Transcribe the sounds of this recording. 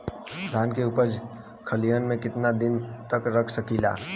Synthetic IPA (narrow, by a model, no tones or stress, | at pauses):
d̪ʱaːnkeʊpəd͡ʒ | kʰəlijənmẽkɪt̪nad̪ɪnt̪əkɾəkʰsəkila̰ː